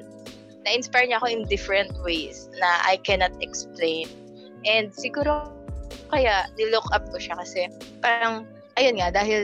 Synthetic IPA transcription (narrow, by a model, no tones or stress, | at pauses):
nɐʔɪnspajɹɲɐɐko̞ʔɪnd̪ɪfɹɛ̃nt̪̚wejsnɐʔa̰jkɛnɐt̪ɛksplẽjn | ʔɛnd̪̚sɪɡuːɾo | kɐjaʔnɪlʊkʔap̚kʊʃakɐsɛpaːɾɐŋ | ʔɐjonŋad̪aːɦɪl